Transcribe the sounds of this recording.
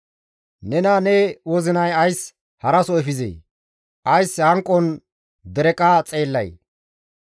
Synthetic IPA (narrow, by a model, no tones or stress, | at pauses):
nɛnanɛwɔzɪnɐjɐjs | hɐɾɐsɔɛfɪzḛj | ʔɐjshɐŋkʼːɔn | d̪ɛɾɛkʼat͡sʼe̞ːlːɐ̰j